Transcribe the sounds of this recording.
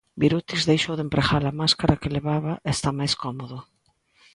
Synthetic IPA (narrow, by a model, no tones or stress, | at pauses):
biɾut̪izðejʃowðempɾeɣalamaskaɾakeleβaβaʔest̪amajskɔmoðʊ